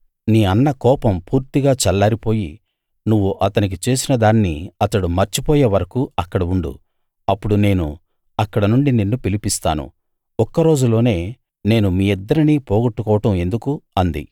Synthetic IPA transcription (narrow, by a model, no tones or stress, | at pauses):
niːɐnːɐkɔːpɐmpuːɾt̪iɡaːt͡ʃɛlːaːɾipo̞ːjḭ | nuʋːuʔɐt̪ɐnik̬it͡ʃe̞ːsinɐd̪aːnːḭɐt̪ɐɽumɐɾt͡ʃipɔːjeːʋɐɾɐkuɐkːɐɽɐuɳɖṵ | ɐpːuɽune̞ːnṵ | ɐkːɐɽɐnuɳɖinenːupilipist̪a̰ːnṵ | ɔkːɐɾo̞ːd͡ʒulo̞ːne̞ː | ne̞ːnumiːɛd̪ːɐɾiniːpoːɡɐʈːukɔːʋɐʈɐme̞nd̪ukuɐnd̪ḭ